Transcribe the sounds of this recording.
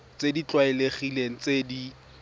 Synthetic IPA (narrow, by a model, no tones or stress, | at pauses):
t͡sedit͡ɬwaɪleχileŋ̩t͡sedi